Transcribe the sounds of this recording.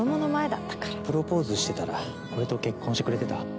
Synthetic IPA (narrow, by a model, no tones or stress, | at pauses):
omonomae̞d̪at̪ːḁkḁɾapɯ̟ɾo̞po̞ːzɨɕi̥t̪e̞t̪aɾa | ko̞ɾe̞t̪o̞ke̞kːõɕit̪ekɯɾe̞t̪e̞t̪a